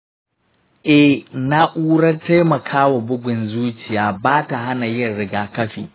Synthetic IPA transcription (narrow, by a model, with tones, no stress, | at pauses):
ʔɛ˨hna˦ʔuː˦ɽɐ˦rta˦jmɐ˨kʰaː˦wa˨bʊ˦ɡʷɪ˨nzuː˦t͡ʃɪ˨jaː˨baː˦ta˨ɦa˦na˨jɪ˦rɽɪ˨ɡaː˨kɐ˦ɸiː˨